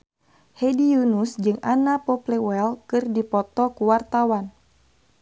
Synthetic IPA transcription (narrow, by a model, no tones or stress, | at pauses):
hɛdijunusd͡ʒɨŋanapɔplɛwɛlkɨrdipɔt̪ɔkuwart̪awan